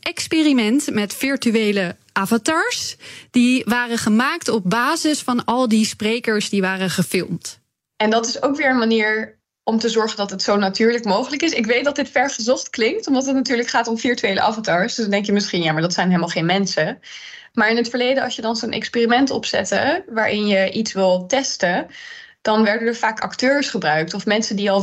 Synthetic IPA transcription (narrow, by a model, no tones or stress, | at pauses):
ʔɛkspeːrimɛntmɛtfɪɹtyejlə | ʔavataːɹsd̥iʋaːrəχəmaːk̚tɔb̚baːzɪsfɑnɑlˠdisprejkəɹsdiʋaːrəχəfɪlˠmt | ɛndɑtɪsowkʋɪːɹənmaniːɹ | ʔɔmtəzɔɹχəndɑtɦətsownatyːɹləkmowχələkɪsɪkʋejt̚dɑt̚dɪtfɛɹχəzɔχtklɪŋk̚tɔmdɑtɦətnatyːɹləkχaːtɔmfiɹtyejlə̰ʔa̰ːfɔntaɹsdsndɛŋkjəmɪsχinjaːmaɹdɑtsɛjnɦeləmalˠχejnmɛnsə | maːɹɪnətfəɹlejdəɑ̰sjədɑnzonʔɛ̰kspiːrimɛntɔ̰psɛ̰tə̰ʋaːɹʔɪnjəʔitsʋɪlˠtɛstəd̥ɑnʋɛɹdənəɹvaːkɑ̰ktøːɹsχəbrœɥk̚tɔfmɛnsədiɑlˠ